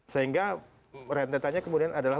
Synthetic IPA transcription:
səɦiŋɡa | rɛnt̪et̪aɲakəmudianadalah

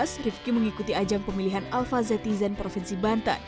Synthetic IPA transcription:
srifkiməŋikut̪iad͡ʒaŋpəmiliɦanalfazɛt̪izɛnpɾofinsibant̪a̰n

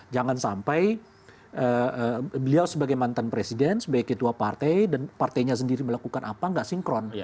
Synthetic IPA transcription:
d͡ʒaŋansampaj | ʔəəbəliawsəbaɡajmant̪anpɾesidɛnsəbaɡjkət̪uapart̪ɛjdanpart̪ɛjɲas̬əndiɾiməlakukanʔapaŋɡaʔsiŋkɾɔn

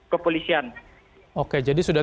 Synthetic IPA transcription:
kəpolisian | oked͡ʒadisuda

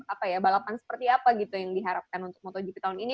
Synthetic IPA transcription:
apajabalapansə̥pərt̪iapaɡit̪ujaŋdiɦaɾap̚kanunt̪ʊk̚mɔt̪ɔd͡ʒipit̪aunini

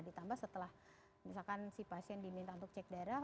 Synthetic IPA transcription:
dit̪ambahsət̪əlah | misalkansipasiɛndimint̪aunt̪̬ʊk̚t͡ʃɛk̚daɾa

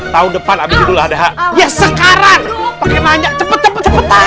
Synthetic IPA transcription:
t̪aʊndəpanabɪd̪idulahadaɦaʔjasəkaɾaŋpakabaɲak̚t̪əpət̪ːəpət̪əpət̪a

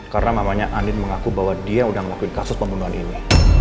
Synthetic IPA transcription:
karənamamaɲaʔanɪnməŋakubaɦwadiaudaməlakuɪnkasʊspəmbunuɦanḭni

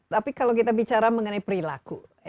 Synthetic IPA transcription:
t̪apikalawkit̪abit͡ʃaɾaməŋənaipəɾila̰ku

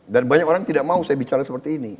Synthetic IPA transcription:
danbaɲakoɾaŋt̪idak̚mausajabit͡ʃaɾasəpərt̪iːni

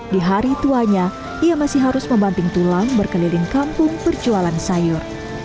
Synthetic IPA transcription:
diɦaɾit̪uaɲa | ʔiamasɪhɦaɾʊsməmbant̪ɪŋt̪ulaŋbərkəlilɪŋkampʊŋbərd͡ʒualansajʊr

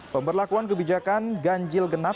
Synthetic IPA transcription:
pəmbərlakuankəbid͡ʒakanɡaɲd͡ʒɪlɡəna

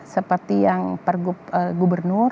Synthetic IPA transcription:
səpərt̪ijaŋpərɡupəɡubərnʊr

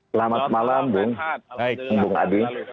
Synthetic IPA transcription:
lamat̪̚malambʊŋ | mbʊŋa̰di

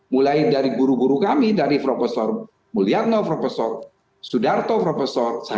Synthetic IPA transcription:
mulajdaɾiɡuɾuɡuɾukamidaɾipɾɔfɛsɔr | muliat̪̚nɔpɾɔfɛsɔr | sudart̪ɔpɾɔfɛsɔrsa

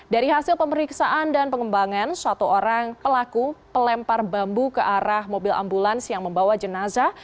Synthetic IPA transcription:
daɾiɦasɪlpəməɾiksaʔandanpəŋəmbaŋansat̪uʔoɾaŋpəlakupəlɛmparbambukəʔaɾahmobɪla̰mbulansəjaŋməmbawad͡ʒənaza

